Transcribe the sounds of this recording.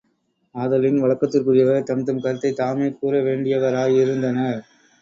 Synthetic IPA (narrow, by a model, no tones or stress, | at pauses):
aːðɐlɪnʋɐɭɐkːɐt̪ːɯrkɯɾɪjɐʋɐɾt̪ɐmt̪ɯmkɐɾt̪ːɐɪt̪aːmeːkuːɾɐʋeːɳɖɪjɐʋɐɾaːjɪɾɯnd̪ɐnɐ